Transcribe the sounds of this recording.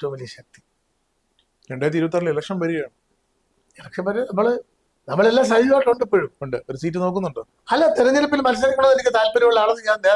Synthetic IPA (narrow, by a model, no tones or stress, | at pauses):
tːomɐliɕɐk̚t̪i̥ | ɾeɳɖaːjɐt̪ːiɾuʋt̪̬ːɐɾililɐkʂɐmʋɐɾijaːɳɨ | jaːkʂɐbɐɾɐɐmːɐɭ | nɐmːɐɭe̞lːaːs̬ɐjiiɣaːʈːoɳɖipːoːɻuoɳɖɨoɾusiːtːɨno̞ːkːunːuɳɖɨ | ɐlːɐt̪eɾɐɲːɐlɐpːilmɐlɐs̬ɐɾkːuɳːɐðenikʲːɨt̪aːlpɐɾimɐɭːaːɭɐnːɨɲaːna